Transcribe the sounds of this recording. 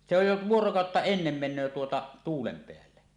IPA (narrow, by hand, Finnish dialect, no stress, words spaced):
se oj jo ʋuorokɑˑotːɑ enːem menˑøː tuotɑ tuːlem peælːe